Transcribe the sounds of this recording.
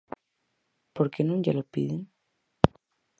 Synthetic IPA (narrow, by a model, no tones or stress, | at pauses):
poɾkenũŋɟalopiðin